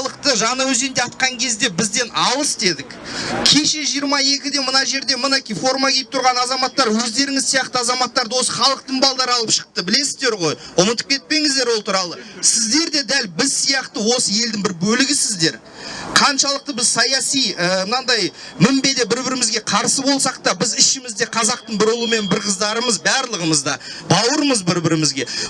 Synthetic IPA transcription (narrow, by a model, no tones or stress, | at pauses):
lˠəqt̪əʒɑnəwɵze̞nd̪eɑt̪̚qɑŋkʲʰe̞zd̪e̞bɪzd̪e̞nɑlˠəsd̪e̞d̪ɪkkʲʰe̞ʃe̞ʒijəɾmɑje̞kʲɪd̪e̞mənɑʒe̞ɾd̪e̞mənekʲijfo̞rmɑkʲʰe̞jɪp̚t̪ʰʊɾʁɑnɑzɑmɑt̪ːɑɾwɵzd̪e̞ɾɪŋɪzsijɑqt̪əɑzɑmɑt̪ːɑɾd̪əwo̞səχɑlˠəq̚t̪əɴbɑlˠd̪ɑɾəɑlˠəpʃə̥q̚t̪əbɪle̞sɪzd̪e̞ɾʁo̞jʊmət̪ə̥pkʲʰe̞t̪̚pe̞ŋɪzd̪e̞ɾwo̞lˠt̪ʰuɾɑlˠəsɪzd̪e̞ɾd̪e̞d̪ælbɪzsijɑqt̪əwo̞səe̞ld̪ɪŋbɪɾbɵlɪɡʲɪsɪzd̪e̞ɾ | qʰɑnʃɑlˠəq̚t̪əbɪzsɑjɑsijəmənɑnd̪ɑjmɪmbe̞d̪e̞bɪɾbɪɾɪmɪzɡʲe̞qʰɑɾsəbo̞lˠsɑqt̪ɑbɪzɪʃɪmɪzd̪e̞qʰɑzɑq̚t̪əɴbɪɾʊlˠuəme̞nbɪɾqʰəzd̪ɑɾəməzbæɾlˠəʁəməzd̪ɑbɑwəɾəməzbɪɾbɪɾɪmɪzɡʲe̞